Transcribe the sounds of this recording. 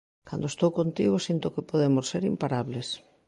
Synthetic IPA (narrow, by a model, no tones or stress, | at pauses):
ka̰nd̪oest̪owkont̪iɣosint̪okepoðemosːeɾimpaɾaβles